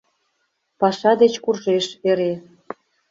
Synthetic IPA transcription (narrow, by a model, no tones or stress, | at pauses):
pɑʃɑd̪et͡ɕkurʒeʃeɾe